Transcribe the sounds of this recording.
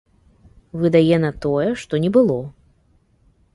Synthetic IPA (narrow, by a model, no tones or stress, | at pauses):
vɨd̪ajɛnɐt̪ɔjɛʂt̪ɔnʲɛbɨlˠɔ